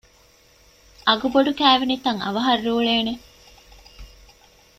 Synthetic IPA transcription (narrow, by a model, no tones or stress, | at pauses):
ʔɐɡuboɖukæːʋinit̪ɐŋɐ̰ʋɐɦɐrːuːɭeːne